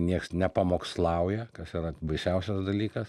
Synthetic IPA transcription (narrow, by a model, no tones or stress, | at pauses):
nʲiɛksnʲɛpɐmoːkslˠɐʊjɛkɐsiɾɐbɐɪʃʲɛʊsʲɛsd̪ɐlʲiːkɐs